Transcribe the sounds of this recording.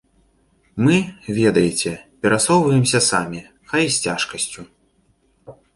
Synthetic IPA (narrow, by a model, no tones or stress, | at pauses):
mɨvʲɛd̪ɐjɛt͡sʲɛpʲɛɾasɔwvɐjɛmsʲɐsamʲi | xajsʲt͡sʲaʂkɐsʲt͡sʲu